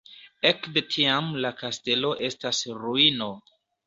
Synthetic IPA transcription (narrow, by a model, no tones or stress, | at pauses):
ekde̞tʰiamlakaste̞lo̞ʔe̞stasɾuino̞